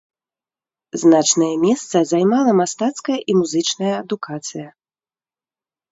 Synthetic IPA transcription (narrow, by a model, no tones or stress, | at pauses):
znat͡ʂnɐjɐmʲɛst̪sɐzajmalˠɐmast̪at̪skɐjɐʔimuzɨt͡ʂnɐjɐːd̪ukʰat̪sɨjɐ